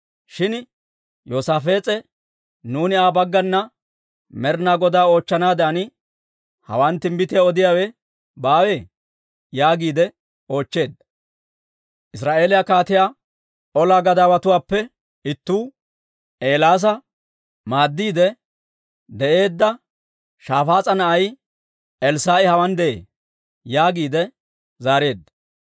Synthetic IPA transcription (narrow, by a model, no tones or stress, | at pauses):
ʃɪn | joːsaːfe̞ːt͡sʼɛ | nuːnɪaːbɐɡːɐnːɐ | mɛɾnaːɡɔd̪aːo̞ːt͡ʃːɐnaːd̪aːnɪ | hɐ̰wɐnt̪ːɪmbɪt̪ɪjaɔd̪ɪjaːwɛ | baːweː | jaːɡiːd̪ɛ | o̞ːt͡ʃːe̞ːd̪ɐ | ʔɪsɾaːʔe̞ːlɪjakaːt̪ɪjaː | ɔlaːɡɐd̪aːwɐt̪ʊwaːpːɛ | ɪt̪ːuː | ʔe̞ːlaːs̬ɐ | maːd̪ːiːd̪ɛ | d̪ɛʔe̞ːd̪ːɐ | ʃaːfaːt͡sʼɐnɐʔɐj | ʔɛlsaːʔɪhɐwɐnd̪ɛʔḛː | jaːɡiːd̪ɛ | zaːɾe̞ːd̪ːɐ